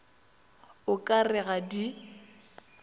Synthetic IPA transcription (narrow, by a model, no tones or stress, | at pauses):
ʊkʼarɪɣadi